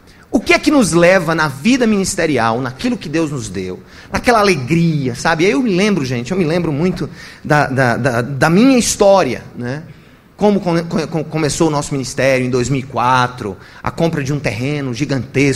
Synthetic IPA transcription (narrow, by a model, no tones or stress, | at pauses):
ʊkɪɛkɪnʊzlɛvɐnɐvid̪ɐmĩnist̪eɾiawnɐkilʊkɪd̪ewznʊzd̪ew | nɐkɛlɐaleɡɾiɐsabɪaewmɪlẽmbɾʊʒẽt͡ʃɪewmɪlẽmbɾʊmũj̃t̪ʊd̪ɐd̪ɐd̪ɐd̪ɐmĩɲɐist̪ɔɾiɐ̰nɛ | kõmʊkõkokõkõmesowʊnɔsʊminist̪ɛɾjʊẽd̪ojzmiwikwat̪ɾʊ̰ | ɐ̰kõmpɾɐd͡ʒɪũt̪eɦẽnʊʒiɡɐ̃nt̪esʊ